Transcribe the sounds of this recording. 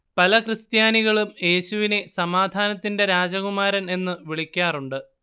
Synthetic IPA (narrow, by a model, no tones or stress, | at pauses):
pɐlɐkrɨst̪jaːniɣɐɭumje̞ːɕuʋinesɐmaːd̪ʱaːnɐt̪ːinde̞ɾaːd͡ʑɐɣumaːɾɐne̞nːɨʋiɭikʲːaːruɳɖɨ